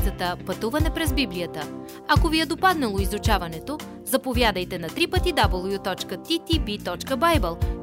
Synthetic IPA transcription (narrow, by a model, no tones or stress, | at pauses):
ət̪əpɐt̪uvɐnɛpɾɛzbiblijət̪ə | ɐkoviɛd̪opad̪nɐlˠoizʊt͡ʃavɐnɛt̪o | zɐpovʲjad̪əjt̪ɛnɐt̪ɾipət̪id̪abəlˠjut̪ɔt͡ʃkət̪it̪ibit̪ɔt͡ʃkəbajbəlˠ